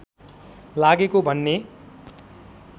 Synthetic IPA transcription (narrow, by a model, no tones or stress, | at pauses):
laɡekobʱʌnːe